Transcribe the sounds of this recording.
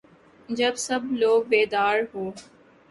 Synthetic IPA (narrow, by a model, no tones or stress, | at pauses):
d͡ʒɐbsəbloːɡbeːd̪aːɾɦoː